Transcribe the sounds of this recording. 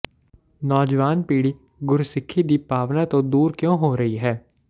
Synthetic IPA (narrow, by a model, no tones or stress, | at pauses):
nɔːd͡ʒʋaːnpiːɽi | ɡʊɾusɪkʰːid̪ipaːʋnat̪õd̪uːɾkjõːɦoːɾɐɦiɦɛː